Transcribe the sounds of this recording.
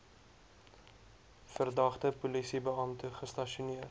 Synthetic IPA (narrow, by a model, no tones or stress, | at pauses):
fərdɐχtəpulisibəɐmtəχəstɐʃuniə